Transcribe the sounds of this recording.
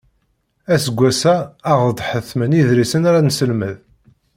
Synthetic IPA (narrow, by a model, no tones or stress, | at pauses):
æsəɡʷːæsæːʁd̪ˤħəθməniðɾisənaɾansəlməð